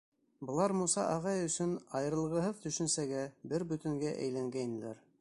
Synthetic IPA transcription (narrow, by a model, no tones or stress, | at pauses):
bɤ̆lˠɑɾmusɑ̰ʔɑʁɑjɵ̆sɵnɑjɤ̆ɾɤ̆lˠʁɤ̆ɦɤðt̪ɵ̆ʃɵ̆nsæɡæbɘɾbɵ̆t̪ɘ̆ŋɡæʔæ̰jlæŋɡæjn̆læ̰ɾ